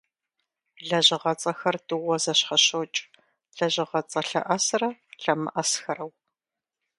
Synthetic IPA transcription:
ɮɐʑɪʁɐt͡sʼɐxɐrdʼɨwʷɔzɐɕχɐɕot͡ʃʼ | ɮɐʑɪʁɐt͡sʼɐɬɐ̰ʔɐsrɐɬɐmɨ̰ʔɐsxɐrɐw

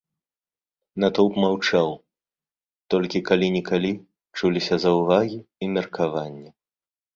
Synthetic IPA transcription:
nat̪ɔwpmawt͡ʂaw | t̪ɔlʲkʲikalʲinʲɛkalʲi | t͡ʂulʲisʲɐzɐwvaɣʲiːmʲɛrkʰavanʲːɛ

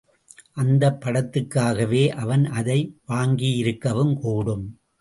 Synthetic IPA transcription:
ʔɐnd̪ɐpːɐɽɐt̪ːɯkːaːɣɐʋeːʔɐʋɐnɐðɐɪʋaːŋɡijɪɾɯkːɐʋɯmkuːɽɯm

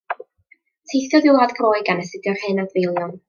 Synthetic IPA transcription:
tʰejθjɔðɪad̥kʰroːɨɡanəsɪdjɔrhɨnadvɪjlˠjɔn

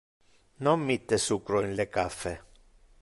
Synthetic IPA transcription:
nomːit̪ːesukɾoinlekafːe

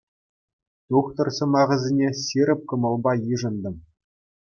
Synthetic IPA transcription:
t̪uχt̪ɤ̆rsɤ̆mɑʁɘ̆zʲenʲesʲiɾʲɘ̆p̚kɤ̆mɤ̆lˠbɑjɯʐɤ̆nd̪ɤ̆m

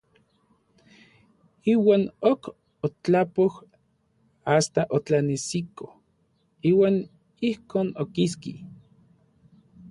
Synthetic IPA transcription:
iːwaːnok | ot͡ɬapoh | ast̪aʔot͡ɬanisiko | iːwaːn | ihkoːnokiski

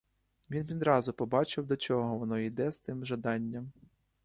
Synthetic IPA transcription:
ʋʲinʋʲid̪ɾɑzʊpɔbɑt͡ʃɪwd̪ɔt͡ʃɔɦɔʋɔnɔid̪ɛz̥t̪ɪmʒɐd̪ɑnʲːɐm

